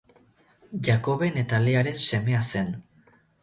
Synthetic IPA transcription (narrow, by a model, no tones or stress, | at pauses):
ʝako̞βe̞net̪aleaɾe̞nse̞me̞ase̞n